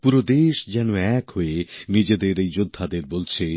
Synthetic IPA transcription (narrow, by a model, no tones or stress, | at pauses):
puɾod̪eʃd͡ʑɛnoɛkhoenid͡ʑed̪eɾejd͡ʑod̪ʱːad̪eɾbolt͡ɕʰe